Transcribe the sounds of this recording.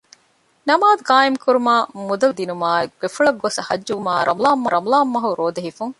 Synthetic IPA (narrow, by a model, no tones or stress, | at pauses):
nɐmaːd̪ukaːemkuɾumaːmud̪ɐld̪inumaːekb̥efuɭɐɡːosɐhɐ̰d͡ʒːuʋumaːɾʔɐmulaːmːɐɾɐmulaːmːɐɦuɾoːd̪ɐɦifuŋ